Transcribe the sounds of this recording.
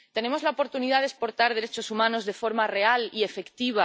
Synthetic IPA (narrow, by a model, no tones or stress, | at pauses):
t̪ene̞mo̞zlaopo̞ɾt̪uniðað̞espo̞ɾt̪aɾð̞e̞ɾe̞t͡ʃo̞sumãno̞zðe̞fo̞ɾmare̞alie̞fe̞kt̪iβ̞a